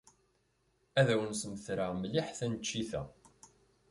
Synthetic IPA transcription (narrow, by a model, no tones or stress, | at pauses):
æðæwənsməθɾamlɪħθænət͡ʃːiθæ̰